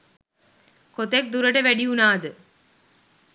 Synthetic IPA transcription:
kot̪ek̚d̪uɾɐʈəʋæɖiunaːd̪ə

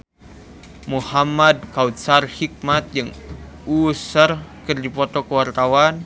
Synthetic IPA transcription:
muhamad̪̚kaut̪̚sarhik̚mat̪̚d͡ʒɨŋ | usərkərdipɔt̪ɔkəwart̪awan

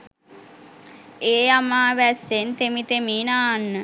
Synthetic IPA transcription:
eːamaːʋæsent̪emit̪emiːnaːnːə

